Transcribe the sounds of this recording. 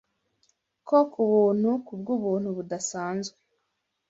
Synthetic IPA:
kokʰuβuːn̥hukub̚ɡuβuːn̥huβudasaːnzɡwe

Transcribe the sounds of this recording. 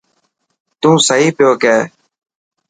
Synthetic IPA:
t̪ũːsəɦiːpɪjoːkɛː

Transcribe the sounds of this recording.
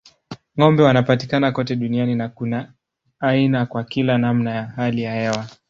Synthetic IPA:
ŋɔmbɛwanapatikanakɔtɛɗunianinakunaː | inakwakilanamnajaɦalijahɛwa

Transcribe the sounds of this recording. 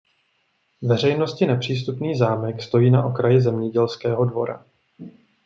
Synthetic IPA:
vɛr̝ɛjno̞scɪnɛpr̝̥iːs̬t̪upniːzaːmɛkst̪o̞jiːnaʔo̞kɾajɪzɛmɲɛɟɛlskɛːɦo̞dvo̞̰ɾa̰

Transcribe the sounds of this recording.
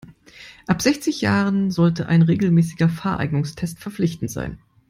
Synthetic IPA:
ʔapz̥ɛçt͡sɪçjaːʁənzɔltəʔa̰ɪnʁeːɡl̩mɛːsɪɡɐfaːɐʔa̰ɪɡnʊŋstʰɛstfɛɐflɪçtn̩tz̥a̰ɪn

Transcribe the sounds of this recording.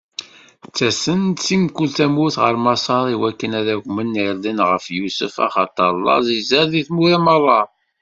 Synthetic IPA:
t͡sːæsənt͡sːimkːult̪æmuθʁə̰ɾmɑsˤɑɾˤiwækːənæðæʝʷmənːiɾd̪ənʁəfjusəfɑ̰χɑt̪ˤːɑɾlˤːɑ̰zizəɾðiθmuɾæmɑðˤɑ

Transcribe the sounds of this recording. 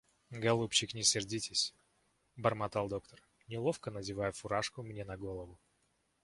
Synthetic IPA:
ɡɐlˠupɕɪknʲɪsʲɪrdʲitʲɪsʲ | bərmɐt̪alˠd̪o̞kt̪ər | nʲɪlˠo̞fkənədʲɪvajʊfʊɾaʂkʊmnʲenɐɡo̞lˠəvʊ

